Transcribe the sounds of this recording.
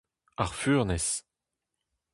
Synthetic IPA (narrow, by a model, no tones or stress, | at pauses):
aʁfyːʁnɛs